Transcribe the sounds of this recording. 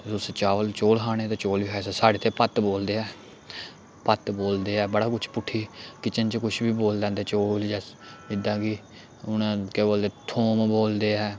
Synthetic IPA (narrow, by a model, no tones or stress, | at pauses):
zʊst͡ʃaːʋəlt͡ʃoːlɦaːɽ̃eːt̪eːt͡ʃoːlʋiːɦɛsasaːɽeːt̪ʰeːpət̪boːld̪eːɛː | pət̪boːld̪eːɛːbəɽaːkʊt͡ʃʰpʊʈʰːiːkɪt͡ʃənt͡ʃkʊt͡ʃʰbiːboːld̪ɛ̃ːnd̪eːt͡ʃoːld͡ʒɛːɪd̪ãːɡiː | ʊnẽːkeːboːld̪eːt̪ʰoːmboːld̪eːɛː